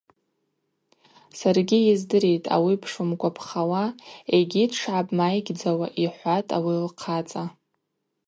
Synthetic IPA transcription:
sarɡʲijɪzdɨɾe̞jtʼa̰wipʰʂumkʷʰʼapʰχawaeɡʲidʰʈ͡ʂʕabʼmajɡʲd͡zawaʔiħʷatʼawilqʰat͡sʼa

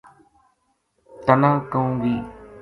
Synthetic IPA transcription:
t̪ənãːkəũːɡiː

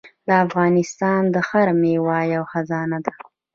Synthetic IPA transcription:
d̪əafɣɑnɪst̪ɑnd̪əxaɾmewɑjawxazɑnad̪ḁ

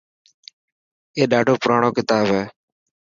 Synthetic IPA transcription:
eːɗaːɖʱoːpʊɾaːɳoːkɪt̪aːbɦɛː

